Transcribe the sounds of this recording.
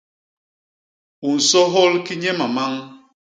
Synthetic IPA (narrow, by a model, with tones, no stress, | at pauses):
u˨n̩˨sɔ˦ɦɔ˦lki˦ɲɛ˦ma˨ma˦ŋ